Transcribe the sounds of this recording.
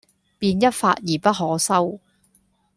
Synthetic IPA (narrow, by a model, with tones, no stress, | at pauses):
piː˧njɐ˥t̚fa̰ː˧t̚jiː˨˩pɐ˥t̚ɦɔː˨˥sɐ˥w